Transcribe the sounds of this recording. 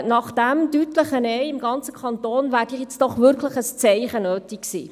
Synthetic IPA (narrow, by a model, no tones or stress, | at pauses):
nɑχd̥ɛmdytləχənɛɪɪmɡɑnt͡səkʰɑnt̪oːnvæːɾdɪχjɛt͡sd̥ɔχʋɪɾkʰləχəst͡sɛɪχənøːtiksḭː